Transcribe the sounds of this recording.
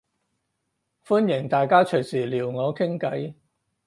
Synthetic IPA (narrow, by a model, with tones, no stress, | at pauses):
fu˥njɪ˨˩ŋt̪aː˨jkaː˥t͡ʃʰɵ˨˩jsiː˨˩liː˨˩wŋɔː˨˧kʰɪ˥ŋkɐ˨˥j